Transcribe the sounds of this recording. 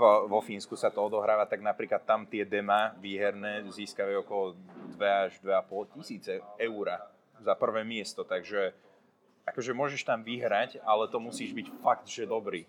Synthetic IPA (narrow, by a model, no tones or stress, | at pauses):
ʋɔfiːnskusat̪ɔɔd̪ɔɦɾaːʋat̪aɡnapɾiːklat̪ːamt̪ɪɛd̪ɛmaʋiːɦɛɾnɛːziːskaʋaɔkɔlɔd̪ʋɛaʒd̪ʋɛapɔlcisiːt͡sɛɛʊɾa | zapr̩ʋɛːmɪɛst̪ɔt̪aɡʒɛ | ʔakɔʒɛmʊɔʒɛʃt̪amʋiɦɾacalɛt̪ɔmusiːʒbicfaɡt̪ʒ̥ɛd̪ɔbɾiː